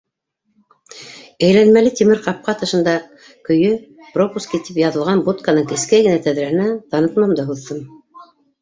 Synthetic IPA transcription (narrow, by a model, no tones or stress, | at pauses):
æjlænmælɘt̪imɘɾqɑp̚qɑt̪ɤ̆ʃɤ̆nd̪ɑ | kɵ̆jɵ | propuskit̪ipjɑðɤ̆lˠʁɑnbut̪kanɤŋkɘ̆skæjɡɘ̆næt̪æðɾæhɘ̆næt̪ɑnɤt̪mɑmd̪ɤɦuðːɤm